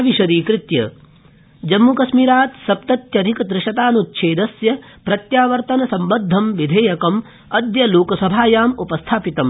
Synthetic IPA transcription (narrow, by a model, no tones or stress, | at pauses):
ʋiʃɐɾiːkɾɪt̪jɐ̰ | d͡ʒɐmːukɐsmiːɾaːt̪sɐp̚t̪ɐt̪jɐd̪ʱikɐd̪ɾɪʃɐt̪aːnutːʃʰeːd̪ɐsjɐpɾɐt̪jaːʋɐɾt̪ɐnɐsɐmbɐd̪ʱːɐmʋid̪ʱeːjɐkɐm | ɐd̪jɐloːkɐsɐbʱaːjaːmupɐst̪ʰaːpit̪ɐm